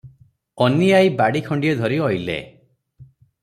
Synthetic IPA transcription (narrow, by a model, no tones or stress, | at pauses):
ɔniajbaɽikʰɔɳɖijɔd̪ʱɔɾiɔjlḛ